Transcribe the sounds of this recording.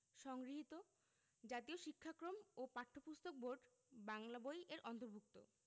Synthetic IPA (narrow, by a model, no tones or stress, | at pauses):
ʃɔŋɡɾiɦit̪o | d͡ʑat̪ioʃikʰːakɾomopaʈʰːopust̪ok̚bʱoɾɖ | baŋlabojʔeɾʔɔnt̪oɾbʱuk̚t̪o̰